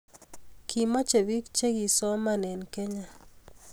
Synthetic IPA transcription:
kʰi˨mɔ˦t͡ʃe˨bi˦k̚t͡ʃe˦ɡi˨sɔ˦ma˨nɛ˨nke˦ɲa˨

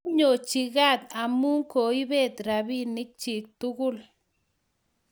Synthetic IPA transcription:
ɲo˨t͡ʃi˧ɣa˦˨t̪a˨mu˦ŋko˨i˦be˦˨t̪ɾa˨bi˦ni˦k̚t͡ʃi˨k̚t̪u˦ɡu˦˨l

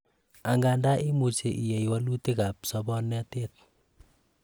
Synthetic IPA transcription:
a˨ŋɡa˨nda˦ʔi˦mu˨t͡ʃe˨ʔi˨je˨jwa˦lu˦ti˦ka˨p̚sɔbɔnɛtet̚

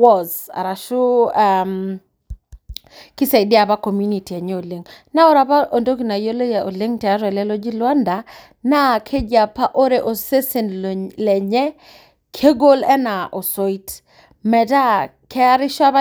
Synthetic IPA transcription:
wɔ˦˨za̰˨ɾa˨ʃu˦am | kɪ˦sa˨ɪ˨dɪ˦a˨pa˦ko˨mju˦ni˨ti˨a˨ɲɛ˦o˨le˨ŋna˦ɔ˦ɾa˨pa˦ʔo˨ndo˦ki˨na˨jo˦lo˦ja˨o˨le˦ŋtɛ˨a˦ɾɔ˨ɛ˨lɛ˦lo˦d͡ʒi˦lwa˦nda˨ | na˦˨kʰe˦d͡ʒa˨pa˦ʔo˦ɾe˨ʔo˨se˦se˨nlɛ˨ɲɛ˦ | kʰe˦ɡo˦lɛ˦na˨ʔo˨so˦i˦t | mɛ˨ta˦ | kʰɛ˦a˦ɾɪ˦ʃa˦βa˦

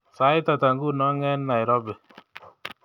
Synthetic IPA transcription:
sa˦ɪ˦ta˨ta˨ŋɡu˦˨nɔ˦ŋɛ˦nːa˨jɾɔ˦bɛ˨

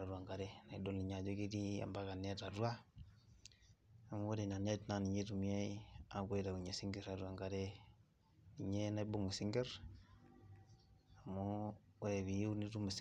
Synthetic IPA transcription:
a˨ɾwa˨ŋɡa˨ɾe˦na˨i˨do˦li˨ɲa˨d͡ʒo˦ki˦ti˦a̰˨mba˦ka˨ne˦ta˨twa˦ | a˨mu˦o˦ɾe˨ɲa˨ne˦tna˦ni˨ɲe˦tu˨mia˦ia˨kwe˦ɾa˨ku˨ɲe˨si˦ŋɡe˨ɾa˨ɾwa˨ŋɡa˨ɾe˦ | ni˨ɲe˦na˦i˦bo˦ŋu˨si˦ŋɡe˦ɾ | a˨mo˦e˨βi˨u˦ni˦tu˦mu˨s

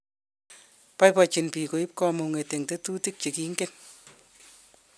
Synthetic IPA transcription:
pajpɔ˨t͡ʃi˨npi˨ko˨i˦p̚kɔ˧mu˨ŋe˨te˨ŋte˦tu˦ti˦k̚t͡ʃi˨ki˦ŋɡen

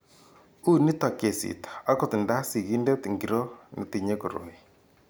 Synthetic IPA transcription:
u˦ni˦ta˨ke˨sḭ˨tḁ˨a˦ko˦˨ti˨nda˦si˨ɣi˦nde˦tiŋɡi˨ɾo˦ni˨ti˨ɲe˦ko˨ɾo̰˨ni˨

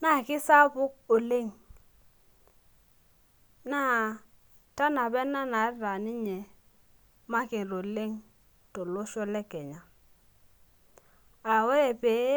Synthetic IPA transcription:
na˦˨kɪ˦sa˦bʊ˦k̚o˨le˦ŋ | na˦ | ta˦na˨bɛ˦na˦na˨˦ɾa˨ni˦ɲe˨ | ma˦kɪ˨ɾo˨le˦ŋ | to˨lo˦ʃo˦lɛ˦kɛ˨ɲa˨ | a˨we˦ɾe˨pe˨˦

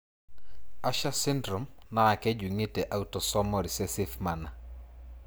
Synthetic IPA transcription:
a˦ʃa˦sɪ˦ndɾɔ˨mnaː˦˨kɛ˦d͡ʒu˨ŋe˦tɛ˨ʔa˦u˦tɔ˨sɔ˦mɔ˨ɾi˨sɛ˦si˦fma˨na˨

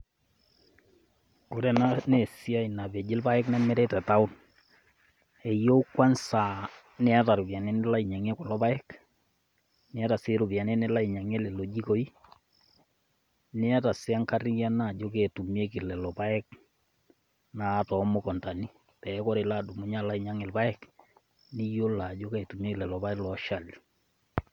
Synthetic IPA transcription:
kʊ˨˦ɾɛ˨na˦nɛ˨si˦a˦i˨na˨bɛ˨d͡ʒɪ˦lpa˦ɛ˦knɛ˦mɛ˦ɾɛ˦tɛ˨ta˦ʊ˦n | ɛ˨jo˦u˦kwa˦nsa˨ | nɛ˦a˦ta˨ɾʊ˨pja˨nɛ˦nɛ˦la˦i˨ɲa˨ŋɛ˦kɔ˨lɔ˦pa˦ɛ˦k | nɪ˦a˦ta˨sɪ˦ɾʊ˨pi˨a˨nɛ˦nɛ˦la˦i˨ɲa˨ŋɛ˦lɛ˨lo˨d͡ʒi˦ko˦i˦ | nɪ˦a˦ta˨sɪ˦a˦ŋka˦ri˦ja˦na˦˨d͡ʒo˦kɛ˨tu˨mi˦e˦kɪ˨lɛ˨lɔ˨pa˦ɛ˦k | na˨tɔ˨˦mʊ˦kɔ˨nta˨ni˦ | pɛ˨˦kɔ˦ɾe˨la˦˨du˨mu˨˦ɲa˦la˦i˨ɲa˦ŋɛ˨lpa˦ɛ˦k | nɪ˦jo˦la˨d͡ʒo˦kɛ˨tu˨mje˦kɪ˨lɛ˨lɔ˨pa˦ɛ˦lɔ˨˦ʃa˨li

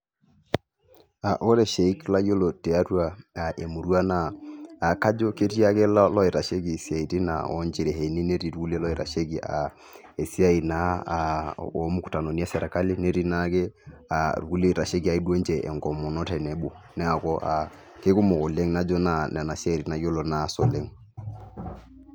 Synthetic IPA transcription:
a˨ʔo˦ɾɛ˨ʃe˨i˦kla˦jo˦lo˨tɛ˨a˦twa˨a˨ʔe˨mu˨ɾwa˦naː˨ka˦d͡ʒɔ˦ke˦ti˦a˦ke˦llɔ˦e˨ɾa˨ʃe˦ki˨si˦a˨i˨ti˦na̰˨ɔ˦nd͡ʒe˨ɾe˨ɦe˨ni˦ne˦ɾi˨ɾu˦ɡu˦le˦lɔ˦e˨ɾa̰˨ʃe˦ki˨ʔa̰˨ | e˨si˦a˦i˨na˨ | o˨˦mu˦ku̥˨ta˨no˨ni˦a˦sɛ˨ɾa˨ka˦lɪ˦ne˦ɾi˦na˦ke˦a˨ɾu˨ɡu˦le˦˨ɾa˨ʃe˦ki˦a˨i˦do˦nd͡ʒɛ˨ʔɛ̰˨ŋɡɔ˨mɔ˨nɔ˦tɛ˨nɛ˨˦bo˨ | nɛ˦a˨kɔ˦ʔa̰˨ | ke˦ku˦mɔ˨kɔ˨le˦ŋna˦d͡ʒɔ˦na˨nɛ˨na˨si˦a˦i˨ɾi˨na˨jo˦lo˨na˨˦sɔ˨le˦ŋ

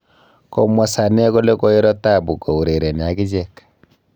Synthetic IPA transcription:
kɔ˨mwɔ˨sa˨nɛ˦ko˦le˦ko˦i˦ɾɔ˦ta˦˨bu˨ko˨u˨ɾe˨ɾe˨n˨a˨ki˦d͡ʒɛ˦˨k

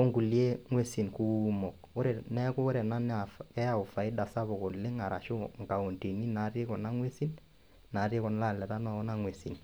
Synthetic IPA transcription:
o˦ŋku˨lje˦ŋwe˦si˨nku˦mɔ˨k̚ | o˦ɾe˨nɛ˦kʊ˦ɾe˨na˦n˦afkɛ˦a˨ʊ˨fa˨ɪ˦da˨sa˦bʊ˨kɔ˨nlɪ˦ŋa˨ɾa˨ʃʊ˦ŋka˨o˨nti˨ni˦na˨˦ɾe˦kɔ˨na˦ŋwe˦si˦n | na˨˦re˦kɔ˨n˦la˦˨lɛ˨ta˦nɔ˨ɔ˦na˦ŋwe˨sḭ˨n

